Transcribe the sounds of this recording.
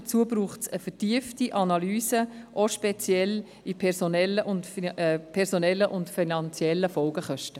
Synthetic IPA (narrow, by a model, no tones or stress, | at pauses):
t͡suəbɾuːχtsəfɛtiəftiʔɑnɑlyːsəʔoʃpɛt͡sjɛl | ipʰɛɾsonɛlːəʔʊntːpʰɛɾsonɛlːəʔʊntfinɑnt͡sjɛlːəfɔlɡəχœʃtə